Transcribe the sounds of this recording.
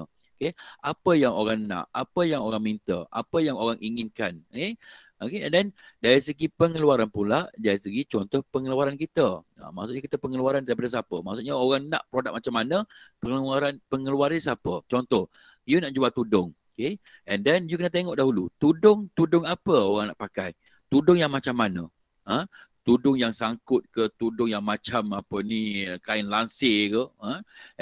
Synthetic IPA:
okeʔapəjaŋoɾaŋnã̰ʔapəjaŋoɾaŋmint̪əa̰pəjaŋoɾaŋʔiŋinkanoke | okeɛ̰̃ndɛndaɾisəɡipəŋəluaɾanpulaʔdaɾisəɡit͡ʃɔnt̪ɔhpəŋəluaɾankit̪əa̰ma̰ʔsuʔɲakit̪əpəŋəluaɾandaɾip̬adəs̬apəmaʔsuʔɲəoɾaŋnã̰ʔpɾodak̚mat͡ʃamanə̃pəŋəluaɾanpəŋəluaɾisapət͡ʃɔnt̪ɔh | junaʔd͡ʒuat̪udʊŋokeɛndɛnjukənat̪eŋɔʔdaɦulut̪udʊŋt̪udʊŋapəoɣaŋna̰ʔpakaj | t̪udʊŋjaŋmat͡ʃamːanə̃ | ə | t̪udʊŋjaŋsaŋkʊt̪̚kət̪udʊŋjaŋmat͡ʃamapənikaɪnlansɪkəə

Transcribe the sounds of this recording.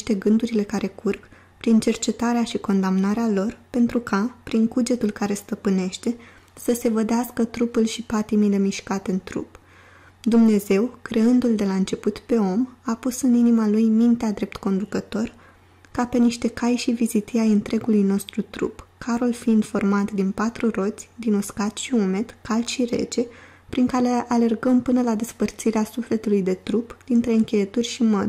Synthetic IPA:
ʃt̪e̞ɡɨnd̪uɾile̞kaɾʔe̞kurk | pɾint͡ʃe̞rt͡ʃe̞t̪aɾeaʃiko̞nd̪amnaɾealo̞rpe̞nt̪ɾukʰapɾiŋkud͡ʒe̞t̪ulkaɾe̞st̪əpɨne̞ʃt̪e̞ | səse̞vəd̪easkət̪ɾupulʃipat̪imile̞miʃkat̪e̞ɨnt̪ɾṵp | d̪umne̞ze̞wkɾe̞ɨnd̪uld̪e̞laɨnt͡ʃe̞put̪pe̞o̞mapusɨninimalujmint̪ead̪ɾe̞p̚t̪ko̞nd̪ukət̪o̞r | kape̞niʃt̪e̞kajʃivizit̪iajɨnt̪ɾe̞ɡulujno̞st̪ɾut̪ɾṵpkʰaɾolfiind̪fo̞rmat̪d̪inpat̪ɾuro̞t̪sʲd̪inoskat̪ʃiume̞t̪kalʃiɾe̞̰t͡ʃe̞ | pɾiŋkaɾe̞ʔale̞rɡəmpɨnəlad̪e̞spərt̪siɾeasufle̞t̪ulujd̪e̞t̪ɾupd̪̥int̪ɾe̞ɨŋkʲe̞jet̪urʲʃimə̰d̪

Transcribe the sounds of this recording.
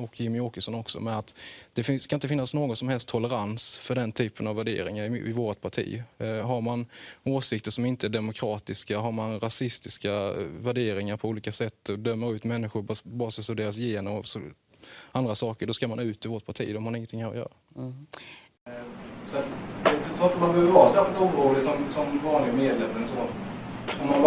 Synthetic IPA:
ɔkʰːjɪmɪoːkəʂɔnɔksɔ̰mɛnat̪d̪̥ɛfɪskanɪnt̪əfɪnːasnoːɡɔt̪sɔmhɛlst̪ʰːɔləɾansfœɖɛnt̪ʰyːpənavæɖḛːɾɪŋaɾɪɪvoːɾat̪̚pʰaʈʰḭːɦaɾmanoːsɪk̚t̪əʂɔmɪnt̪əæɖɛmʊkʰɾɑːt̪ɪskaɦaɾmanɾasɪst̪ɪskavæɖeːɾɪŋaɾpʰɔuːliːkasɛt̪ːɔd̪œmːəɾʉ̟ːt̪mɛnːɪɧʊɾbɑːɾsɛsɔd̪eːɾas̬jeːnɔs | ʔand̪ɾasɑːkəɖɔskamanʉ̟ːt̪ɪvoːʈ̪̚pʰaʈʰḭːd̪ɔmhaɪŋːənt̪ʰɪŋːhæɾɔ̰jœ̰ːɾa | sat̪d̪ɛt̪ɾɔːat̪d̪ɔbœvvɑːsɛːɪlt̪umɾuːlɪsɔmsɔmvɑːnlɪɡameːd̪lɛmːɛnsɔ | ɔma

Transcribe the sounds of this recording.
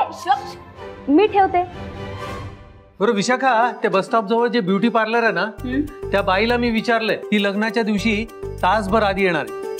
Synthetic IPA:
miːʈʰeʋt̪e | bəɾoʋiɕakʰat̪ebəsʈ̪ɔp̚d͡zəʋəɭd͡ʑebjuʈiːpaɾləɾɛnat̪jabailamiːʋit͡ɕaɾlet̪iːləɡnat͡ɕjad̪iʋɕiːt̪asbʱəɾad̪iːjeɽ̃aɾe

